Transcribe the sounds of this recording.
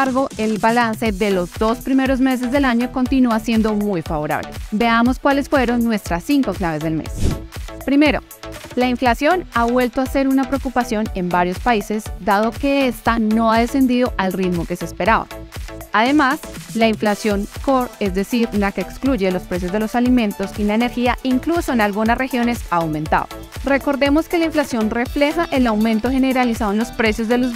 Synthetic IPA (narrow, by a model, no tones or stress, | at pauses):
aɾɣo̞e̞lbalanse̞ðe̞lo̞zd̪o̞spɾime̞ɾo̞zme̞s̬e̞zd̪e̞laɲo̞ko̞nt̪inuasje̞nd̪o̞mujfaβo̞ɾa̰βle̞be̞amo̞skwale̞sfwe̞ɾo̞nːwe̞st̪ɾasːiŋko̞klaβe̞zðe̞lmḛspɾime̞ɾo̞̰ | laiɱflasjo̞naβwe̞lt̪oase̞ɾunapɾeokupasjo̞ne̞mbaɾjo̞spaise̞zd̪að̞o̞ke̞e̞st̪ano̞aðe̞se̞nd̪iðo̞ʔalrid̪mo̞ke̞se̞ːspe̞ɾaβa̰aðe̞maslaiɱflasjo̞ŋko̞ɾe̞zd̪e̞siɾlake̞ːkskluʝe̞lo̞spɾe̞s̬jozd̪e̞lo̞salimẽ̞nt̪o̞silaene̞ɾxiaiŋkluso̞enalɡunasre̞xjo̞ne̞saːwmẽ̞nt̪a̰ðo̰ | re̞ko̞ɾðe̞mo̞ske̞laiɱflasjo̞nre̞fle̞xaʔe̞lawmẽ̞nt̪o̞xe̞ne̞ɾalisaðonlospɾe̞sjo̞zd̪e̞lo